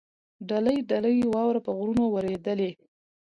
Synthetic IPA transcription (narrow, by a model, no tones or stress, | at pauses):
ɖaləjɖaləjwɑwɾapəɣɾunowəɾed̪əle